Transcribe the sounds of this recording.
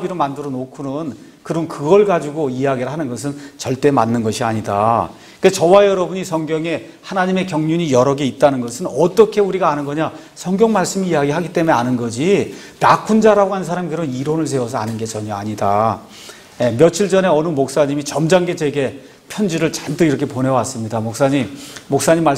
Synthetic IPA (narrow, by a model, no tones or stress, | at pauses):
biɾomandɯɾʌnokʰunɯn | kɯɾʌnkɯɡʌɭɡad͡ʑiɡoijaɡiɾɯɭɦanɯnɡʌs̬ʰɯnt͡ɕʌɭt͈e̞manːɯnɡʌɕʰiaɲida̰ | kɯet͡ɕʌwajʌɾʌbuɲisʰʌŋɡjʌŋe̞ | hanaɲime̞kjʌŋɲuɲijʌɾʌɡeit̚t͈anɯnɡʌsʰɯnʌt͈ʌkʰe̞uɾiɡaːnɯnɡʌɲa | sʰʌŋɡjʌŋmaɭs͈ɯmiːjaɡiɦaɡit͈e̞mueanɯnɡʌd͡ʑi | nakʰund͡ʑaɾaɡoɦanɯns̬ʰaɾamikɯɾʌniɾonɯɭs̬ʰe̞ʌsʰʌanɯnɡe̞t͡ɕʌɲʌaɲida | jemjʌt͡ɕʰiɭd͡ʑʌne̞ʌnɯmok̚s͈aɲimit͡ɕʌmd͡ʑaŋɡe̞t͡ɕwe̞ɡe̞ | pʰjʌnd͡ʑiɾɯɭt͡ɕamtɯiɾʌkʰe̞ponewas͈ɯmɲidamok̚s͈aɲimːok̚s͈aɲimːa